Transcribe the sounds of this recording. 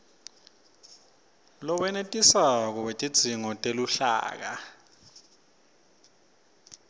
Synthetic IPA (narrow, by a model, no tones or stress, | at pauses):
lɔwɛnetʼisak̬ɔwetʼid̥ʱiŋɔtʼeluɬa̰ːk̬a̰